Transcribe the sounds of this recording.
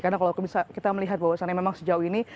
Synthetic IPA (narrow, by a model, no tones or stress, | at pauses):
kaɾnakalawkəbisakit̪aməliɦat̪̚bawasanaamemaŋsəd͡ʒauini